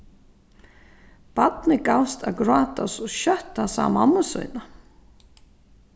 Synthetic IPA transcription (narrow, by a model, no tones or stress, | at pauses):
pat̪nɪkawst̪ʰa̰ɡɾaːt̪asɔɕœht̪ːasa̰ːma̰nːʊsɔ̰jna